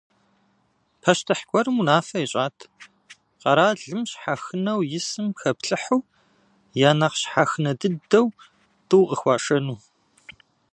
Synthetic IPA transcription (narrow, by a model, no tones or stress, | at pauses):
pʰɐʃtʰɨħɡʷʼɔɾɨmunaːfɐjɛɕʼaːtʰ | qɐɾaːɮɨmɕħaxɨnɐwjɪsɨmxɐpɬʼɨħuː | jaːnɐqɕħaxɨnɐdɨdɐw | tʰʼɨwqəxʷɑːʂɐnuː